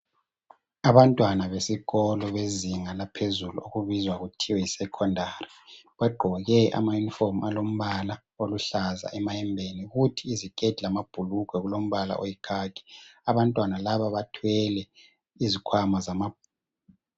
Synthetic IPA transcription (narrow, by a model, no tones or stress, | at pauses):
aβantʼwanaβesiɣɔlɔβeziŋalapʰezulṵoɣuβizwaɣutʰiwɛisɛkʰɔndʱari | βɛɡ͡ǃʱɔɣɛʔa̰majuniformalom̩βala | oluɬaza̰ʔɛmaɛmbʱeniɣutʰiːziɡ̥ʱʼɛd̥ʱilamab̥ʱulukʰwɛɣulom̩βala̰ʔojikʰaːki̥aβantʼwanalaβaβatʰwɛlɛ | izikʰwamazamab̚ʱ